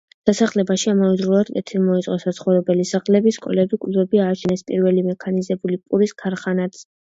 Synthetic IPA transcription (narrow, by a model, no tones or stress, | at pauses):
d̪̥asaχlɛbaʃiamavɛzɾulˠad̪k̪ʼɛt̪ʰiɾmɔit̪sʼqʼɔsat̪sʰχɔvɾɛbɛlisaχlɛbiskʼɔ̰lɛbikʼlvɛbiaːt͡ʃʰɛnɛspʼḭɾvɛlimɛkʰanizɛbulipʼuɾiskʰaɾχanat̪sʰ